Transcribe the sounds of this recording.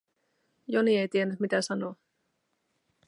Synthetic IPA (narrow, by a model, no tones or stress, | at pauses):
jonie̞jt̪ienːyt̪mit̪æsɑnoː